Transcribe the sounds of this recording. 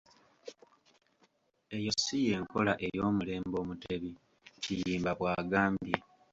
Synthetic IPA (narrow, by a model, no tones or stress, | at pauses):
e̞jo̞sije̞ːŋko̞laʔe̞jo̞ːmule̞ːmbo̞ːmute̞βi | cijiːmbaβwaːɡaːmbje